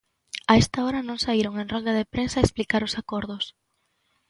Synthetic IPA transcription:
aest̪aoɾɐnõŋsaiɾoŋẽnrɔld̪ɐðepɾensaesplikaɾʊsakoɾðʊs

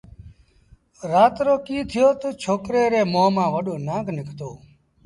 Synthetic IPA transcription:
ɾaːt̪ɾoːkiːt̪ʰɪjoːt̪oːt͡ʃʰoːkɾeːɾeːmõːmãːʋəɗoːnãːknɪkʰt̪oː

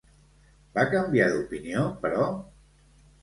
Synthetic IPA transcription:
bakəmbiaðupiniopəɾɔ

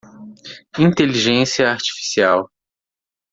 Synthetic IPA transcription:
ĩnt̪eliʒẽsiɐaɾt͡ʃi̥fi̥siaw

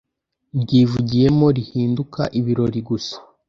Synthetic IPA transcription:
bɟiːvuɟije̞mo̞ɾihiːnduka̰ʔiβiɾo̞ɾiɡusḁ

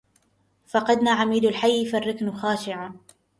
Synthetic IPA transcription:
fɑqɑd̪naːʕamiːd̪alħajːfarːɪknʊxaːʃɪʕa

